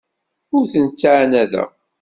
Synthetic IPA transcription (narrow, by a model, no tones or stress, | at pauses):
ʊɾθənt͡sːaʕnæðæ̰